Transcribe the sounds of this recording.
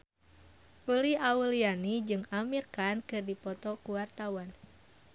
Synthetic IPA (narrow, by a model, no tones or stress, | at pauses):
uliaulianid͡ʒɨŋamirkankɨrdipɔt̪ɔkuwart̪awan